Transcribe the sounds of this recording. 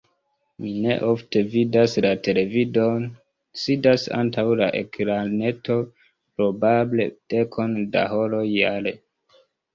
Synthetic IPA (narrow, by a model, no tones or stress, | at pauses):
mine̞̰ʔofte̞vidaslate̞le̞vidon | sidasa̰ntawla̰ʔe̞̰kɾane̞to̞ | pɾo̞bable̞d̥e̞kʰo̞nda̰ho̞lo̞jale